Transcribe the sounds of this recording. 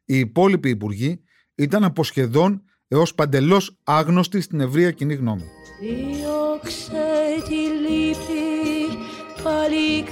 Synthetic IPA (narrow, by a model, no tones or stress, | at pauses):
iːpo̞lipiːpuɾʝi | it̪ɐnɐpo̞sçe̞ðo̞n | e̞o̞spɐnd̪e̞lo̞sɐɣno̞st̪ist̪ine̞vɾiɐciniɣno̞mḭioksɛt̪ilipi | pʰɐɾik